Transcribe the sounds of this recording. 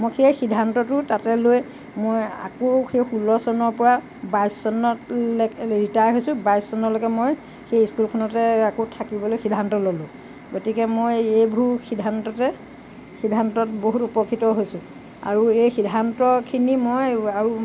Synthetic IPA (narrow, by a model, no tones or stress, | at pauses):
mojxejxidʱantɔtʊtatɛlojɛ | moja̰koxejxulɔsɔnɔɹpɔɹa | bajsːɔnɔtlkɹitajɦojsʊ̃bajsːɔnɔlokɛmoj | xejiskulkʰɔnɔtɛakotʰakibɔlojxidʱantɔlolʊ̃ | ɡotikɛmojejbʱuɹxʰidʱantɔtɛ | xidʱantɔtboɦutupɔkʰitɔɦojsʊ̃ | a̰ɹuejxidʱantɔkʰinimojaɹu